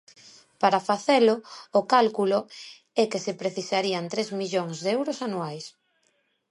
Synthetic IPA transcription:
paɾafaθeloːkalkulʊ | ɛkesepɾeθisaɾiant̪ɾezmiʎoŋzðɛwɾosanuajs

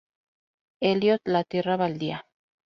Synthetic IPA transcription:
eljot̪lat̪iraβald̪ia

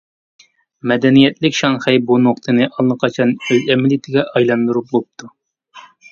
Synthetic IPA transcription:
mɛd̪ɛnijɛt̪lɪkʲʃɑŋχɛjbunoqt̪ʰɨnɨʔɑlˠːɨqʰɑt͡ʃʰɑnøzɛmɪlɪt̪ʰɪɡʲɛʔɑjlˠɑnd̪uɾup̚bop̚t̪ʰu

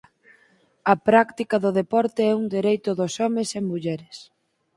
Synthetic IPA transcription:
ɐpɾakt̪ikɐðʊðepɔɾt̪eɛuŋd̪eɾejt̪ʊðʊsɔmesemuʎɛɾɪs

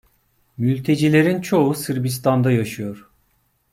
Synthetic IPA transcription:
mylʲt̪ʰe̞d͡ʒilʲe̞ɾint͡ʃʰo̞usɯɾbis̬t̪ʰand̪ajaʃɯjo̞ɾ̥

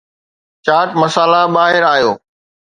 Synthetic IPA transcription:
t͡ʃaːʈmɐsaːlabaːɦɪɾaːjoː

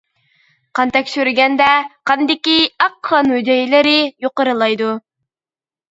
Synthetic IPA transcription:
qɑnt̪ʰɛkʲʃyɾɡʲɛnd̪ɛqʰɑnd̪ɪkʲiɑqʰːɑnhyd̪ɛjilɪɾɪjoqəɾɨlˠɑjd̪u

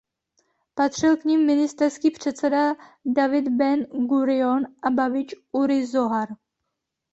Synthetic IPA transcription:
pat̪r̝̥ɪlkɲimːɪnɪst̪ɛrskiːpr̝̥ɛt̪sɛdadavɪd̪bɛnɡuɾɪonʔababɪt͡ʃʔuɾɪzoɦaɾ

